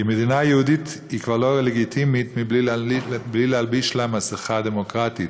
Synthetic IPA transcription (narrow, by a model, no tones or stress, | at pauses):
dɪmɛd̪inajɪudit | ɪkvalˠɔʁəlɛɡitʰimit̪mi | blilalbiʃlamasəχadɛmɔkʁatit